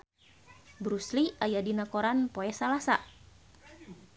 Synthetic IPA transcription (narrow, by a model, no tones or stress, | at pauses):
bɾusliajadinakoɾanpoɛsalasa̰